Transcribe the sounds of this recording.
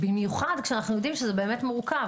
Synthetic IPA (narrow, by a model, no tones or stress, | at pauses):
bimjuχad̪kʃeanaχnujod̪imʃezebe̞ːmet̪muʁkav